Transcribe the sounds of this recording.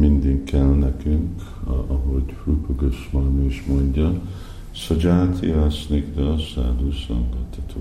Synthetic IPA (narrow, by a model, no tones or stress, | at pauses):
mind̪iŋkːɛlnɛkyŋk | ɒɦoɟrupoɡøʃmɑnoʃmo̞ɲɟɒ | sod͡ʒaːt̪ʰiasnikd̪ɛsa̰ːd̪uːsɑ̰ŋɡɒt̪hɒt̪ʰoː